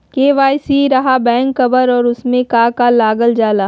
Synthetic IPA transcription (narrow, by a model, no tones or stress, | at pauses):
keːʋaːjsiɾɐɦabɛ̃ːŋkːɐbəɾɔːɾʊsmẽkaːkalaːɡəld͡ʒaːlaː